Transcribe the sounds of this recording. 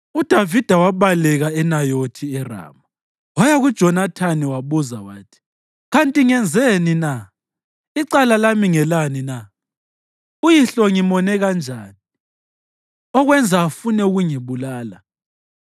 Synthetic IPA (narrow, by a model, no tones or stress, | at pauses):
ud̥ʱavid̥ʱawaβalɛɣaɛnajotʰiɛra̰ːma | wɔjaɣud̥ʒ̥ʱɔnatʰaniwaβuzawa̰ːtʰi̥ | ɣantʼiŋɛnd͡zʱenina | iǀalalamiŋɛlanina | ujiɬɔŋimɔnɛɣand͡ʒʱaːni | ɔɣwɛnd͡zʱaːfunɛuɣuŋiβulaːla